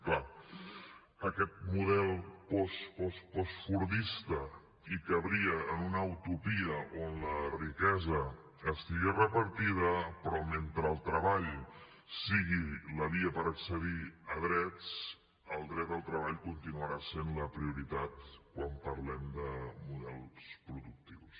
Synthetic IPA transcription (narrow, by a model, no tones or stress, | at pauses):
kla | əkɛt̪̚muðɛlˠpɔspɔspɔsfuɾðist̪ə | ikəβɾiəːnunəːwt̪upiəonlərikɛzə | əst̪iɣerəpəɾt̪iðəpɾɔment̪ɾəːlˠt̪ɾəβaʎ | siɣiləβiəpəɾəksəðiəðɾɛt͡s | əlˠd̪ɾɛt̪̚əlˠt̪ɾəβ̞aʎkunt̪inuəɾasenləpɾiuɾit̪at̪̚kwampəɾlɛmd̪əmuðɛlˠspɾuðuk̚t̪iws